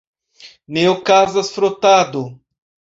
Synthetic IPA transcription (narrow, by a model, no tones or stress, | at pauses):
neokazasfɾotado